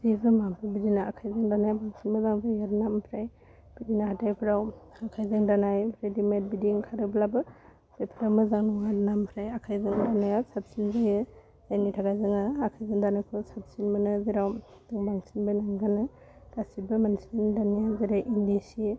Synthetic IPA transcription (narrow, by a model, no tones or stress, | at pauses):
zibɯmabɯbidinaːkʰajzɯŋdanajbaŋsinmazaŋbajaɾnampʰɾaj | b̥idinaɦatajpʰɾaw | akʰajzɯŋdanajpʰɾedimet̚bidiŋkʰaɾɯblabɯ | z̥epʰiɾawmɯzaŋnɯŋaɾnampʰɾajakʰajzɯŋdanajasap̚sinzajɯ | zajnitʰaɡajzɯŋaːkʰajzɯŋdanajkʰusap̚sinmanɯziɾaw | dɯŋbaŋsinbɯnɯŋɡanɯ | dasibɯmanismendanijziɾaʔindesi